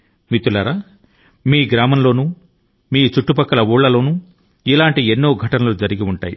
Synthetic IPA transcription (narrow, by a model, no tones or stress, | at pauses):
mit̪ːulɐɾaː | miːɡɾaːmɐmlo̞ːnuː | miːt͡ʃuʈːupɐkːɐlɐuːɭːɐlo̞ːnuː | ilaːɳʈienːo̞ːɡʱɐʈɐnɐlud͡ʒɐɾiɡiuɳʈaːjḭ